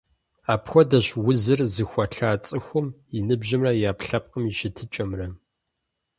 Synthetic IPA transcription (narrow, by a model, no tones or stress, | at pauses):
aːpxʷɔdɐɕwʊzɨrzɨxʷɐɬaːt͡sʼɨxʷʊminɨbʑɪmrɐjaːpɬɐp̚ʼqəmiʃɪtʰɨt͡ʃʼɐmrɐ